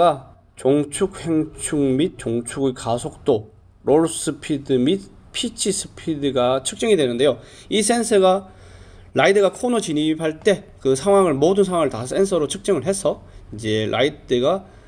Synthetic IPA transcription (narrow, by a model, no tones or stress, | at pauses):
a | t͡ɕoŋt͡ɕʰuk̚heŋt͡ɕʰuŋmit̚t͡ɕoŋt͡ɕʰuɡɯkasʰok̚t͈o | ɾoɭs͈ʰɯpʰidɯmit̚ | pʰit͡ɕʰisʰɯ̥pʰidɯɡat͡ɕʰɯ̥k̚t͡ɕ͈ʌŋidwenɯnde̞jo | is̬͈ʰensʰɯɡa | ɾʔaidɯɡakʰonot͡ɕinipʰaɭt͈e̞kɯsʰaŋɦwaŋɯɭmodɯnsʰaŋwaŋɯɭtasʰe̞nsʰʌɾot͡ɕʰɯk̚t͡ɕ͈ʌŋɯɭɦe̞sʰʌid͡ʑe̞ɭʔa̰idɯɡa